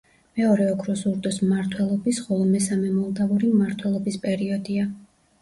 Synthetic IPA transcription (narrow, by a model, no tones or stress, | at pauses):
mɛɔɾɛɔkʰɾɔsuɾd̪ʼɔsmmaɾt̪ʰwɛlˠɔbisχɔlˠɔmɛsamɛmɔlˠd̪avuɾimmaɾt̪ʰwɛlˠɔbispʼɛɾiɔd̪ia